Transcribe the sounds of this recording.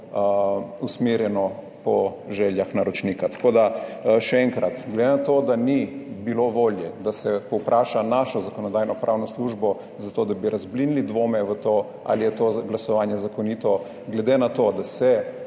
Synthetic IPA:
usmeɾjɛnɔ | pɔ | ʒɛljaxnaɾɔt͡ʃnikat̪ḁkod̪aʃɛɛŋkɾat̪ɡled̪enat̪od̪anibiloʋoːljɛd̪asɛpɔwpɾʔaːʃanaʃɔzakɔnɔd̪ajnɔpɾʔawnɔsluʒbɔ | zat̪oːd̪abiɾazblinilid̪ʋoːmɛʋət̪o | a̰lijɛt̪oɡlasɔʋaːnjɛzakoniːt̪ɔ | ɡlɛd̪enat̪od̪asɛ

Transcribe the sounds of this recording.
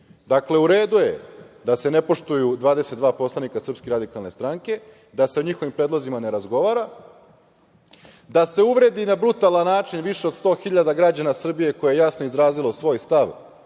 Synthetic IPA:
d̪akle̞uɾe̞ːd̪uje̞ | d̪ase̞nepo̞ʃt̪ujud̪ʋaːd̪eset̪d̪ʋaːpo̞slˠanikasɾr̩pskeɾad̪ikalne̞st̪ɾaŋke̞ | d̪ase̞oɲixo̞ʋimpɾedlˠozimane̞ɾazɡo̞ʋaːɾa | d̪ase̞uʋɾe̞d̪inabɾut̪alˠanːaːt͡ʃinʋiʃe̞od̪st̪o̞ːxiʎad̪aɡɾad͡ʑanasr̩bije̞ko̞jeejasno̞izɾaːzilo̞sʋo̞ːjst̪aʋ

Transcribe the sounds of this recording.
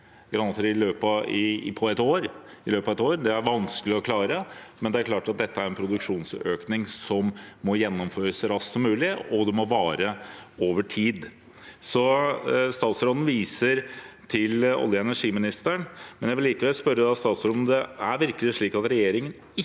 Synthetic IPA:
ɡɾɑnɑt̪ɾɪløːpɑɪpʰɔɛt̪oːɾɪløːpɑʋɛt̪oːɾd̪ɛæɾʋɑnskəlɪɔkʰlɑːɾəmɛnd̪ɛæɾkʰlɑːʈɑt̪̚d̪ɛt̪ːəæɾɛnpʰɾʊd̪ʉkʂuːnsøːknɪŋsɔmːɔjɛnːɔmføːɾəsɾɑssɔmːʉːlɪɔd̪ɛmɔʋɑːɾəoːʋəʈʰiːd̪ | sɔst̪ɑːt̪sɾɔd̪n̩ʋiːsəɾt̪ʰɪlɔ̰ljəɛnæʂiːmɪnɪst̪əɳmɛnjæʋɪlːiːkəʋɛlspœɾːəd̪ɑst̪ɑːt̪sɾɔd̪n̩d̪ɛæɾʋɪɾkəlɪʂɭiːkɑt̪ɾɛjeːɾɪŋən | ɪ

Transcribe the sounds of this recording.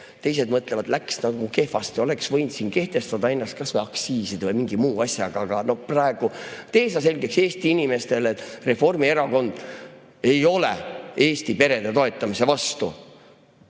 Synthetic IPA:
t̪e̞jse̞d̪mɤt̪ˑle̞vɑd̪læksnɑɡuke̞hfɑst̪io̞le̞ksvɤ̞jnd̪̥siːnke̞ht̪e̞st̪ɑd̪ɑe̞nːɑst̪kɑsvɤjɑksiːsid̪̥vɤjmiŋɡ̥imuːɑsjɑɡ̥ɑɡ̥ɑno̞hprɑeɡ̥ut̪e̞ːsɑs̬e̞lʲɡ̥ekseːst̪iinime̞st̪e̞let̪ːˑre̞fo̞rmie̞ɾɑko̞nd̪̥ | e̞jo̞lḛe̞ːst̪ipe̞ɾe̞d̪̥et̪oe̞t̪ːˑɑmise̞vɑst̪ṵ

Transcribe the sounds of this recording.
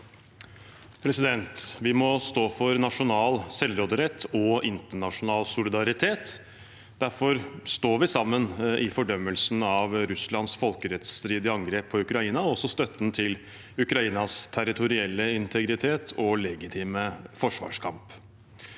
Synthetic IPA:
pʰɾɛsɪd̪ɛnt̪ʋɪmɔst̪oːfɔɾnɑʂʊnɑːlsɛlɾoːd̪əɾɛt̪ʰːɔɪnt̪əɳɑʂʊnɑːlsʊlɪd̪ɑɾɪt̪ʰeːt̪ | d̪̥æɾfɔɾst̪oːʋɪsɑmːənʔɪfɔɖœmːəlsn̩ɑʋɾʉslɑnsfɔlkəɾɛt̪st̪ɾiːd̪ɪɑŋɡɾeːpʰːɔʉkɾɑiːnɑɔsɔst̪œt̪n̩t̪ʰɪl | ʉkɾɑiːnɑst̪ʰæɾɪt̪ʰʊɾɪɛlːəɪnt̪ʰəɡɾɪt̪ʰeːt̪ʰɔlɛɡɪt̪ʰiːməfɔʂʋɑ̰ːʂkʰɑmp

